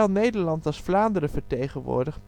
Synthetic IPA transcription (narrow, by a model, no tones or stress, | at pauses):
ɛlˠnejdəɹlɑntɑlˠsflaːndəɾəvəɹtejχənʋʊ̰ːɹdəχ